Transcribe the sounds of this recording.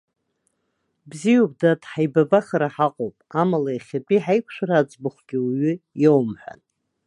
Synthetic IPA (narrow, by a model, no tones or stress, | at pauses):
bzijub̚datħajbabaχaɾaħaqʼowpʼamalaiχʲapʼiħajkʷʰʃʷᶣaɾaːd͡zʼbʊχʷɡʲɪɥʏjowmħʷᶣa̰n